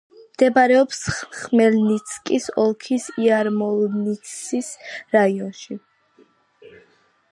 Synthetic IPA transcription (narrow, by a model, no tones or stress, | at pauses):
md̪̥ɛbaɾɛɔpsχmɛlnit̪sʰkʼisɔlˠkʰisiaɾmɔlnit̪sisɾaiɔnʃi